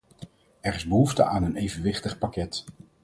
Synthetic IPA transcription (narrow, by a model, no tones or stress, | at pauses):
ɛrɪzbəɦuftə̰aːnənejvənʋɪχtəχpakɛt